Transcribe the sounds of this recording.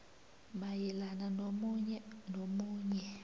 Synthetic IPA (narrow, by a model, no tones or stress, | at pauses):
majɛlananomɲnomuːɲɛ